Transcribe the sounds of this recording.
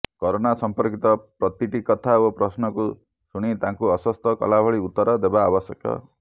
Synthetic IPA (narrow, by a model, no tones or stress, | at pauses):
kɔɾonasɔmpɔɾkit̪ɔpɾɔt̪iʈikɔt̪ʰaopɾɔsnɔku | suɽ̃it̪ãŋkuɔswɔst̪ɔkɔ̰labʱɔɭiut̪ːɔɾɔd̪ebaːbɔsjɔkɔ̰